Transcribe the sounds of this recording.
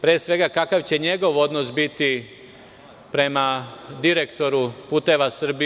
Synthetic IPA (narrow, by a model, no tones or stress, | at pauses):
pɾeːsʋe̞ɡakakaʋt͡ɕe̞ɲe̞ɡo̞ʋo̞d̪nosbit̪i | pɾe̞mad̪iɾe̞kt̪o̞ɾupuːt̪e̞ʋasr̩bi